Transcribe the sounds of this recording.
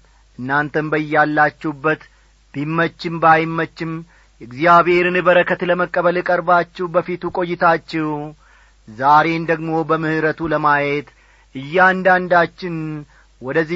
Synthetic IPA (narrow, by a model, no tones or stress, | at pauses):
ʔɨnːant̪ʰənbəjalːat͡ʃːɛhubːət̪ | b̥imːət͡ʃːɪmbajmːət͡ʃːɪm | ɨɡzijaβhe̞ɾɨnɨβəɾəkʰət̪ləməkʼːəβəlɨkʼəɾbat͡ʃːɛwbəfit̪ukʼo̞jːɪt̪ʰat͡ʃːɛw | zaɾe̞nd̪əɡmo̞bəmɨhɨɾət̪ʰuləmajet̪ | ʔɨjːand̪and̪at͡ʃːɪn | wɔd̪əzːi